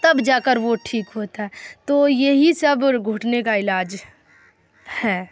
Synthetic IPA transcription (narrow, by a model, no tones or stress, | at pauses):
t̪ɐbd͡ʒaːkəɾʋoʈʰiːkɦoːt̪aɦɛt̪oːjeɦisɐbɡʱʊʈnekaɪlaːd͡ʒ | hɛː